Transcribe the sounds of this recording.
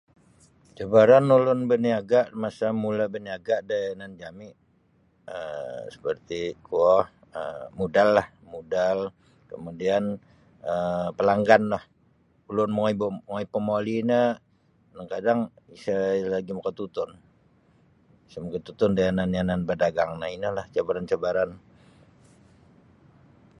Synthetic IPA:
d͡ʒabaɾanulʊnbəniaɡaʔmasamulabəniaɡaʔdajanand͡ʒamɪʔ | əsə̥pərt̪ikuɔh | əmudalːah | mudal | kəmudian | əpəlaŋɡanlah | ulʊnmŋibŋɔipəmolinə | daŋkadaŋ | isalaɡiməkət̪ut̪ʊn | isəməkət̪ut̪ʊndajananjananbədaɡaŋnainəlaht͡ʃabaɾant͡ʃabaɾan

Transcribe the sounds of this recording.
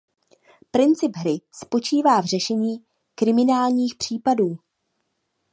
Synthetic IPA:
pɾɪnt͡sɪbɦɾɪspo̞t͡ʃiːvaːvr̝ɛʃɛɲiː | kɾɪmɪnaːlɲiːxpr̥iːpaduː

